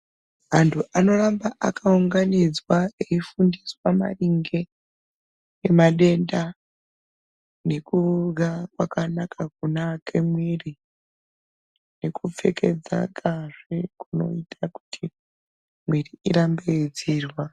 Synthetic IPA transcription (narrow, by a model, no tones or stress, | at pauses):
ɦantʰuʔano̞rambaʔakauŋɡanid͡zwaeifundiswama̰ɗiŋɡe̞ | emaɗe̞nda | ne̞kuɡʱakwakanakakunakʰemwiri | nekup͡fe̞ke̞d͡za̰kaʐ̥ekuno̞̰itʰaku̥tʰi | mwiriiɾambed͡ziːrwa